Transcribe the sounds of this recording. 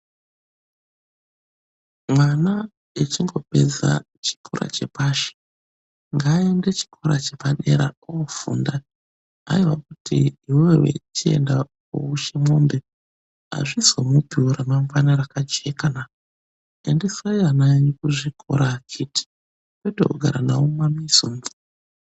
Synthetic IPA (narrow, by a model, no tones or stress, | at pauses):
mwana | et͡ʃiŋɡo̞pe̞̰d͡za̰ | t͡ʃi̥kʰoɾa̰t͡ʃe̞̰paʃe̥ | ŋɡaːendet͡ʃi̥kʰoɾat͡ʃe̞paɗe̞̰ɾa̰ofunda | a̰iwak̚utʰḭːwewe̞̰t͡ʃie̞̰nda | o̰uʃemwoːmbe | a̰ʐisomupiuɾamaŋɡwanaɾakad͡ʒekana | endisojanaɲikuʐikʰo̰ɾakʰitʰi̥ | kwetooɡʱaɾanawomamisunvi